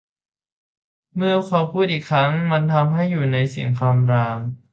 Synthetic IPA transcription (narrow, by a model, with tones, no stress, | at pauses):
mɯ˥˩ɐkʰɔ˧wpʰuː˥˩t̪̚iː˨˩kʰɾa˦˥ŋma˧nt̪ʰa˧mɦa˥˩jːuː˨˩na˧jsi˨˩˦ŋkʰaː˧mɾaː˧m